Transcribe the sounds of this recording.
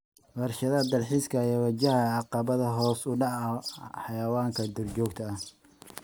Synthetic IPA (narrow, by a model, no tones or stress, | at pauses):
wɐrʃɐðɐd̪ɐlħiskʰɐjɛwɐt͡ʃɐɦɐɑqɑβɐðɐɦɔːsʊɖɑʕɐħɑjɐwaːŋkʰɐd̪ɔrt͡ʃɔːkt̪ʰɐːh